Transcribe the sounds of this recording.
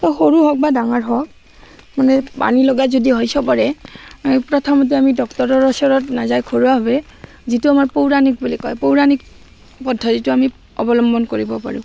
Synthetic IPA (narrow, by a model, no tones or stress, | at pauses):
ɔxoɹuɦɔk̚badaŋaɹɦɔk̚ | manɛpa̰nilɔɡazodiɦojsɔpaɹɛ | pɹɔtʰamɔt̬iamidɔktɔɹɔɹɔsɔɹɔtnazajkʰoɹuaɦɔbɛ | zituamaɹpowɹanik̚bulikɔjpowɹanik̚ | pɔdʱːɔzituami | ɔbɔlɔmbɔnkoɹibɔpa̰ɹʊ̃